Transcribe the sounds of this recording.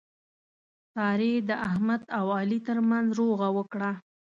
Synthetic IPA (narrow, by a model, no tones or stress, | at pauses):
sɑɾed̪əʔahmad̪awɑlit̪əɾmanzɾoɣawəkɽa